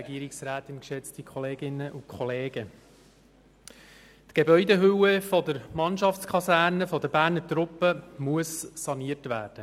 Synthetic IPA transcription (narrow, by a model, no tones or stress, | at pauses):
ɛɡiəɾiksraːt̪ɪnkʃɛt͡stikʰχɔleːɡɪnːəʔukʰχɔleːɡ̥ə | tɡ̥ebœʏdeɦɵwəfɔd̪əɾmɑnʃɑft͡skʰχɑsæːɾnəfɔdəbæːɾnəɾtɾʊpːəmuəsːɑniəɾtʋæːɾd̥ə